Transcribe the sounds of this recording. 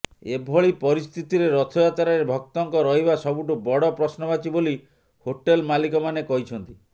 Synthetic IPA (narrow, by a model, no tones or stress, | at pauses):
ebʱɔɭipɔɾist̪ʰit̪iɾeɾɔt̪ʰɔjat̪aɾaɾebʱɔk̚t̪ɔŋkɔɾɔɦibasɔbuʈubɔɽɔpɾɔsnɔbat͡ʃʰiboli | hoʈelmalikɔmanekɔɦit͡ʃʰɔnt̪i